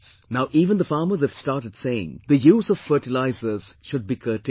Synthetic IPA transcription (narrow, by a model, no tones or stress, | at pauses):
snaʊʔiːvə̃nd̪əfɑːmə˞zəv̥stɑːɾʈɨd̥seɪɪ̰̃ŋd̪əjuːzɔv̥fɜːʈɪlaɪzəz̥ʃʊd̚biːkʰəːʈ